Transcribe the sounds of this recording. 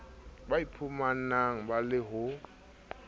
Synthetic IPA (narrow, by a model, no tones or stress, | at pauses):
baipʰumanaŋ̩balɪɦʊ